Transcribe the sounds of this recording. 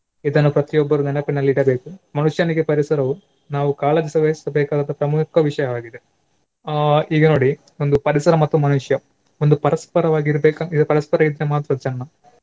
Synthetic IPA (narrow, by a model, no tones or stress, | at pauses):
id̪ɐnːupɾɐt̪ijɔbːɐɾunɐnɐpinːɐlːiɽɐbe̞ːkumɐnuʂjaːniɡepɐɾisɐɾɐʋu | naːʋukaːlɐd̪isɐʋessɐbeːkaːd̪ɐnt̪ɐpɾɐmukʰɐʋiʂɐjɐʋaːɡid̪e | iːɡɐno̞ːɽi | ond̪upɐɾisɐɾɐmɐt̪ːumɐnuʂjɐ | ond̪upɐɾɐspɐɾɐʋaːɡiɾɐbeːkɐid̪ɐpɐɾɐspɐɾɐid̪ɾemaːt̪ːɾɐt͡ʃɐnːɐ